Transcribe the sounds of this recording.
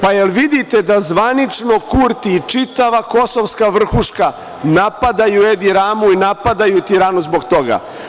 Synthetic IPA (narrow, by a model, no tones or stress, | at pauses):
pajelʋid̪it̪ed̪azʋanit͡ʂno̞kuɾt̪iːt͡ʂit̪aʋako̞soʋskaʋr̩xuʂka | napad̪ajued̪iɾaːmuinapad̪ajut̪iɾaːnuzboɡt̪o̞ɡa̰